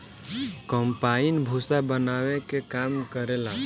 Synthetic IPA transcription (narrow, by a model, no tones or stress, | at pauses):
kəmpainbʱusabənawekekamkəɾela